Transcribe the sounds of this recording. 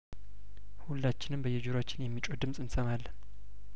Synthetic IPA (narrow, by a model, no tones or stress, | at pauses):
hulːat͡ʃːɪnɨmbəjːɛd͡ʒuɾat͡ʃːɪnjɛmːit͡ʃʼod̪ɨmsʼɨnsəmalːən